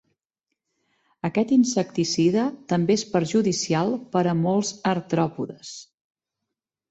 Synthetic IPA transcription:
əkɛt̪insək̚t̪isiðət̪əmbeespəɾʒuðisialˠpəɾəmolˠzəɾt̪ɾɔpuðəs

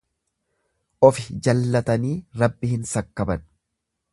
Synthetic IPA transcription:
ʔɔfɪd͡ʒɐlːɐt̪ɐniːɾɐbːɪhɪnsɐkːɐbɐn

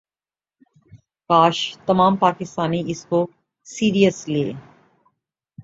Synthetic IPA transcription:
kaːʃt̪ɐmaːmpaːkɪst̪aːniɪsko | siːɾiəsleː

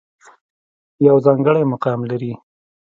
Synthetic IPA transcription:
jawzɑŋɡəɽajmʊqɑmlaɾi

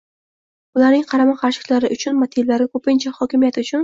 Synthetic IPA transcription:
ʊlaɾnɪŋqʰɑɾamaqʰɑɾʃɪ̥kʲlaɾɪʔʊt͡ʃʰʊnmat̪ʰilːaɾakʰɵpɪnt͡ʃʰahɒkʲɪmijat̪ʊt͡ʃʰʊn

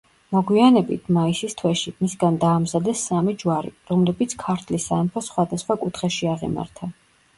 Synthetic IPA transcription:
mɔɡwianɛbit̪ʰmaisist̪ʰwɛʃimisɡand̪aːmzad̪ɛsːamid͡ʒwaɾḭɾɔmlɛbit̪sʰkʰaɾt̪ʰlisampʰɔsχwad̪asχwakʼut̪ʰχɛʃiaʁḭma̰ɾt̪ʰa

